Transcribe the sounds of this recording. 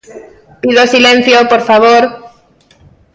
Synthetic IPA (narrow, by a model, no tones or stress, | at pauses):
piðosilẽn̟θjopoɾfaβoɾ